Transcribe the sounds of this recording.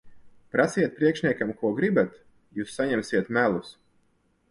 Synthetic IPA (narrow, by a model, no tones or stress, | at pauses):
pɾasijɛt̪̚pɾiɛkʃnʲiɛkamkuɔɡɾibat̪ | juːsːaɲɛmsiɛt̪mælˠus